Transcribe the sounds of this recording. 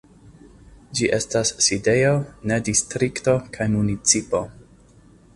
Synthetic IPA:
d͡ʒiʔe̞stasːide̞jo̞ne̞distɾikto̞kʰajmunit͡sipo̞

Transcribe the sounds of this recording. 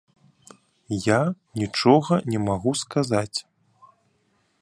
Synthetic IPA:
janʲit͡ʂɔɣɐnʲɛmaɣuskazat͡sʲ

